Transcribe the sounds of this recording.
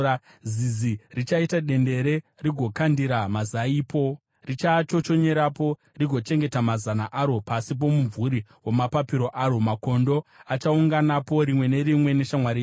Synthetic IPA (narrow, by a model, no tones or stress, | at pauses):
zizirit͡ʃaitaɗe̞nde̞ɾe̞riɡʱokandiɾamazaiːpo̞ | rit͡ʃat͡ʃo̞t͡ʃo̞ɲe̞ɾapo̞ | riɡʱo̞t͡ʃe̞ŋɡe̞tamazanaʔaɾo̞pasip̬o̞muɱvuɾiwo̞mapapiɾo̞ʔaːɾo̞mako̞ndo̞at͡ʃauŋɡanapo̞ɾimwe̞ne̞ɾimwe̞ne̞ʃamwaɾi